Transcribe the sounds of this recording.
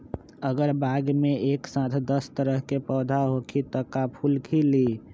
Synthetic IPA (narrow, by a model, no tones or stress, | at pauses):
əɡəɾbaɡmeeːksãt̪ʰd̪əst̪əɾəɦkepɔːd̪ʱaɦokʰit̪ɔkapʰulkʰili